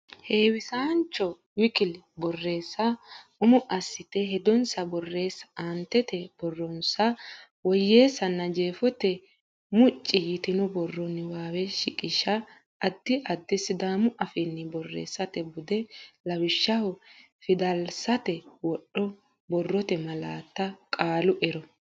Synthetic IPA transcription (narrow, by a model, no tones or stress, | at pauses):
heːwɪsaːnt͡ʃːɔ | wɪkɪlbɔrːe̞ːsːɐʊmʊʔɐsːɪt̪ɛɦɛd̪ɔnsɐbɔrːe̞ːsɐ̥ant̪ːɛt̪ɛb̥ɔrːɔnsɐ | wɔjːe̞ːsɐnːɐd͡ʒe̞ːfɔt̪ɛ | mʊt͡ʃʼːɪjɪt̪ɪnɔbɔrːɔnːɪwaːwɛʃɪkʼɪʃɐː | d̪ːɪʔɐd̪ːɪsɪd̪aːmʊʔɐfɛnːɪbɔrːḛːsːɐt̪ɛbʊd̪ɛlɐwɪʃːɐhʊ | fɪd̪ɐlsɐt̪ɛwɔɗːɔ | bɔrːɔt̪ɛmɐla̰ːt̪ːɐkʼaːlʊʔɛɾɔ